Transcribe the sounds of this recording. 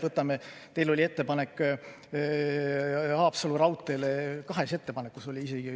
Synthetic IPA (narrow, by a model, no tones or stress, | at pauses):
vɤt̪ːˑɑmet̪e̞jlo̞lʲie̞t̪ːe̞pɑnekː | ɑːpsɑlurɑwt̪ːˑe̞lekɑɦe̞se̞t̪ːe̞pɑnekːˑuso̞lʲiiseɡ̥i